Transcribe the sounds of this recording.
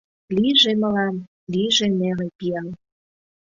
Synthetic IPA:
liʒeməlɑm | liʒenelepiɑl

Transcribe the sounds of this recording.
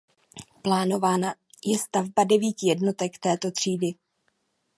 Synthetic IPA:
plaːno̞vaːna | jɛst̪avbadɛviːcɪjɛdno̞t̪ɛkt̪ɛːt̪o̞t̪r̝̥iːdɪ

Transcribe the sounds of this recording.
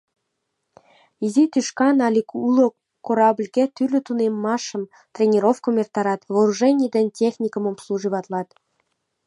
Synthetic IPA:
izit̪yʃkɑnɑlʲikulo | kːoɾɑblʲɡʲet̪ylʲɘ̆t̪unemːɑʃə̆m | t̪rʲenʲeɾofkomʲert̪ɑɾɑt̪voɾuʐenʲijd̪ɘ̆nʲtʲexnʲikəmomslˠuʒɨβɑt̪lˠɑt̪

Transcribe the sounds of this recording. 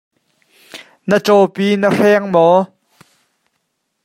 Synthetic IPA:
nət͡sɔpiːnərɛŋmɔ

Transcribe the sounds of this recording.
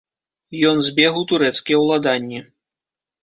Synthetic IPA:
jɔnzʲbʲɛɣut̪uɾɛt̪skʲijɛwlˠad̪anʲːi

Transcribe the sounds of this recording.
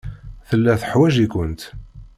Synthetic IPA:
θəlːæθəħwæʒikʷənt̪

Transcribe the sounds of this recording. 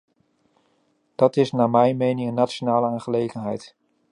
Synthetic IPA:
d̥ɑtɪsnaːmɛjnmejnɪŋənːatt͡ʃonaːləaːnχəlejχənɦɛjt

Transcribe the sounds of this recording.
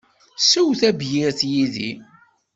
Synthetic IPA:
suwθæbjɪɾθjiðḭ

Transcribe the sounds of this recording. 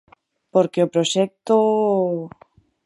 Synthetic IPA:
poɾkeopɾoʃɛk̚t̪o

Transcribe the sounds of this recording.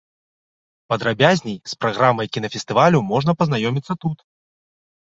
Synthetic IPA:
pɐd̪ɾabʲazʲnʲɛjspɾaɣɾamɐjkʲin̪ɐfʲɛst̪ɨvalʲumɔʐnɐpɐznajɔmʲit̪sːɐt̪ut̪

